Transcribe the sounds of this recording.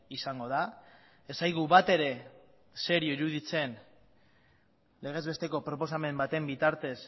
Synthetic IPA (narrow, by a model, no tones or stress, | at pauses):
isaŋɡo̞ða | esajɣuβat̪e̞ɾe̞ | se̞ɾioiɾuðit͡se̞n | le̞ɣ̞e̞zβe̞st̪e̞ko̞pɾo̞po̞same̞mbat̪e̞mbit̪aɾt̪e̞s